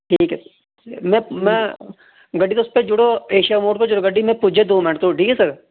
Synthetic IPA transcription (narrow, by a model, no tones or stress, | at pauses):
ʈʰiːkɛ | mɛ̃mɛ̃ː | ɡɐɖːit̪oʊsped͡ʒʊɽoeːʃijamoːʈped͡ʒʊɽoɡəɖːimɛ̃pud͡ʒʱed̪oːmɪnʈt̪oʈʰiːkɦɛsɐɾ